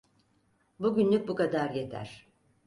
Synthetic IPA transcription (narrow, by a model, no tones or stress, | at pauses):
buɟynlʲyk̚bukad̪aɾje̞t̪ʰæ̰ɾ̥